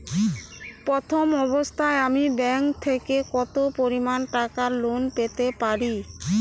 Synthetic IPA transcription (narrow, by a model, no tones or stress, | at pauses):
pɾɔt̪ʰomɔbost̪ʰaeamibɛŋkt̪ʰekekɔt̪opoɾimanʈakaɾlonpet̪epaɾi